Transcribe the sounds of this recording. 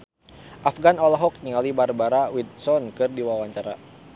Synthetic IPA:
ʔafɡanɔlaɦɔk̚ɲiŋalibarbaɾawid̪̚sɔnkɨrdiwawaɲt͡ʃaɾa̰

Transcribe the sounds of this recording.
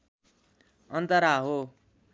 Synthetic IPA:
ʌnt̪ʌɾaɦo

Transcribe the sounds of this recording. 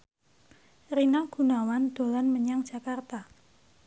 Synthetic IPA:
rinaɡ̥ṳnawand̪̥o̤lanməɲaŋd̥ʒ̥a̤kart̪a

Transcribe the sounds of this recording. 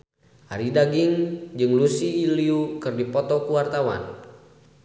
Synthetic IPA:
ʔaɾidaɡiŋd͡ʒɨŋlusiːliukɨrdipɔt̪ɔkuwart̪awa̰n

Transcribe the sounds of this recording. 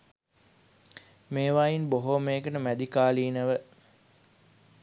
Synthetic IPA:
meːʋajinboɦomeːɡənəmæd̪ikaːliːnəʋə

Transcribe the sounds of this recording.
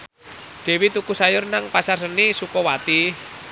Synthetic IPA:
d̪̥e̤wit̪ukusajʊrnaŋpasarsənisukɔwat̪i

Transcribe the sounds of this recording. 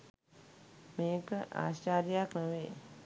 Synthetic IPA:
meːkəʔa̰ːɕaːɾjaknəʋeː

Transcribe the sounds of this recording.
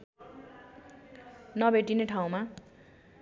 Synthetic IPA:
nʌbʱeʈineʈʰaw̃ma

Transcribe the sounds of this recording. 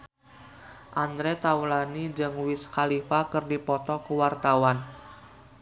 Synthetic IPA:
ʔand̪ɾɛt̪aulanid͡ʒəŋwɪskalifakɨrdipɔt̪ɔkəwart̪awan

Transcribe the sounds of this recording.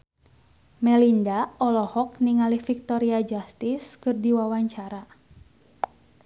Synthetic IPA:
mɛlindaɔlɔhɔk̚niŋalihfik̚t̪ɔɾiad͡ʒast̪iskɨrdiwawaɲt͡ʃaɾa

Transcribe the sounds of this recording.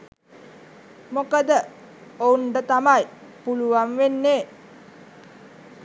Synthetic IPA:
mokəd̪ə | ouɳɖət̪amajpuluʋanʋenːeː

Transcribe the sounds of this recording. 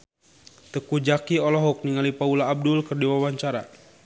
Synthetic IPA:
t̪əkud͡ʒakiɔlɔɦɔk̚niŋalipaulaːb̚dʊlkərdiwawaɲt͡ʃaɾa̰

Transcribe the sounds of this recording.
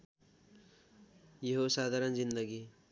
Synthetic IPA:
jeɦosaːd̪ʱaːɾənzind̪əɡi

